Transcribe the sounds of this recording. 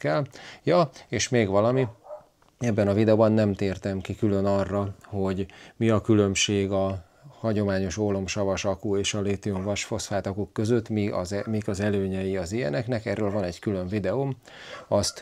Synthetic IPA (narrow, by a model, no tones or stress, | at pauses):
kɛljɒeːʃmeːɡvɒlɒmi | ɛbːɛnɒvid̪ɛoːbɒnːɛmt̪eːrt̪ɛmkikylø̞nɒrːɒho̞ɟmiɒkylø̞mʃeːɡɒ | hɒɟo̞maːɲo̞ʃoːlo̞mʃɒvɒʃɒkueːʃɒleːt̪ioɱvɒʃfosfaːt̪ɒkukːø̞zøt̪ːmiɒ̰zmikɒzɛløːɲɛjiɒzijɛ̰nɛknɛkɛrːøːlvɒnɛɟkylø̞ɱvid̪ɛom | ɒst̪